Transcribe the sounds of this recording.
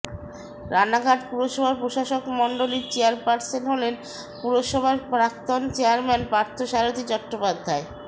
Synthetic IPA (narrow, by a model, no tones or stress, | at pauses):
ɾanaɡʱaʈpuɾoʃɔbʱaɾpɾoʃaʃokmɔɳɖoliɾt͡ɕeaɾpaɾselɦolen | puɾoʃɔbʱaɾpɾakt̪ont͡ɕeaɾmɛnpɾaɾt̪ʰoʃaɾot̪it͡ɕɔkʈːopad̪ʱːae